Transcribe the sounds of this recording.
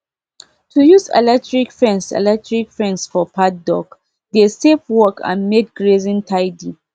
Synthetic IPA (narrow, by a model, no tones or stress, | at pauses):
tʰujuzɛ̰lɛk̚tɹikfɹɛ̃nsɛ̰lɛk̚tʰɹikfɹɛ̃nsfɔpʰat̚dɔ̰k | desefwɔkʰã̰nmek̚ɡɹezĩntʰaɪdĩ